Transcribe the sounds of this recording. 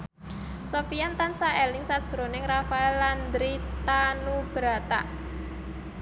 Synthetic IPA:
sofiant̪ansaɛlɪŋsad̥ʒ̥əɾonɪŋrafaɛlːand̪ɾit̪anub̥ɾat̪a̰

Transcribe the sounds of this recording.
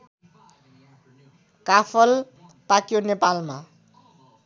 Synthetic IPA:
kapʰʌl | pakjonepalma

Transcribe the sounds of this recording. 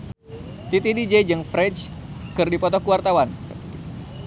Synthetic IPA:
t̪it̪idid͡ʒɛd͡ʒəŋfɾɛt͡ʃ | kɨrdipɔt̪ɔkuwart̪awansə̰pət̪i

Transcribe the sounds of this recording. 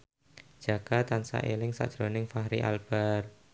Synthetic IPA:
d͡ʒ̥a̤ɡ̥at̪ansa̰ʔelɪŋsa̰ʔd̥ʒ̥ɾonɪŋfaɦɾiʔa̰lb̥ar

